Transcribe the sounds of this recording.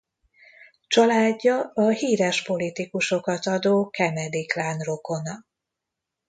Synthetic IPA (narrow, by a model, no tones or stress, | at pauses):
t͡ʃɒlaːɟːɒɒhiːɾɛʃpo̞lit̪ikuʃo̞kɒt̪ɒd̪oːkɛmɛd̪iklaːnro̞ko̞nɒ